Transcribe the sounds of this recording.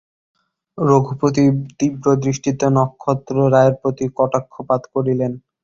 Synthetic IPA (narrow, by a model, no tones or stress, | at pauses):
ɾoɡʱupɾot̪̬it̪ibɾod̪ɾiʃʈʰit̪onɔkʰːɔt̪ːɾoɾaeɾpɾot̪ikɔʈakʰːopat̪koɾilen